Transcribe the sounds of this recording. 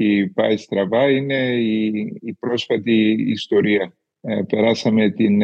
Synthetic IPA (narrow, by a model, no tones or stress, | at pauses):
ipɐjst̪ɾɐvɐine̞iːpɾo̞sfɐt̪ḭːst̪o̞ɾiɐ | pe̞ɾɐsɐme̞t̪in